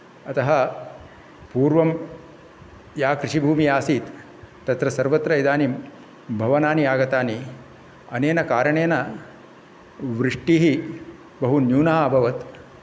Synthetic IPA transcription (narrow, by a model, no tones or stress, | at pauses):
ɐt̪ɐɦɐ̆ | puːɾʋɐm | jaːkɾɪʂibʱuːmiaːsiːt̪ː | ɐt̪ɾɐsɐɾʋɐt̪ɾɐjd̪aːnim | bʱɐʋɐnaːnijaːɡɐt̪aːni | ɐneːnɐkaːɾɐɳeːnɐ | ʋɾɪʂʈiːɦi | bɐɦunjuːnɐɦaːbʱɐʋɐt̪